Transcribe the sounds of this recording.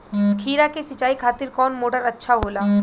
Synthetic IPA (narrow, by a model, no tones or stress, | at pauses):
kʰiːɾakesɪt͡ʃaːikʰaːt̪ɪɾkɔːnmoːʈəɾɐtːʃʰaɦoːlaː